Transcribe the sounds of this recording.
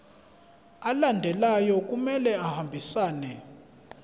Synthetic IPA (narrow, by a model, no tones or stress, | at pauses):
alandʱɛlajɔk̬ʼumɛlɛahambʱisaːnɛ